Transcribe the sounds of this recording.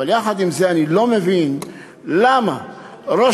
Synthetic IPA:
aljaχad̪imzeanilo̞mevin | lama | ɾo

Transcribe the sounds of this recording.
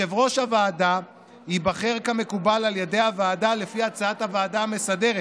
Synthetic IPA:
evʁo̞ʃhavaːda | hibaχe̞ʁkame̞kubalaljede̞javaːdale̞fiat͡saathavaːdaːme̞sade̞ʁet

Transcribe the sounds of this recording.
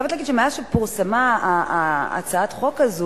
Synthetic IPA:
vetlaɡid̪ʃemajaʃepuʁsama | a̰t͡saat̪χokazu

